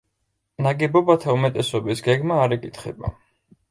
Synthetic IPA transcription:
naɡɛbɔbat̪ʰaumɛt̪ʼɛsɔbisɡɛɡmaːɾɛkʼit̪ʰχɛ̰ba̰

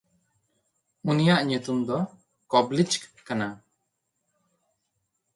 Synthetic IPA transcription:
unijaʔɲut̪umd̪ɔ | kɔblit͡ʃkana

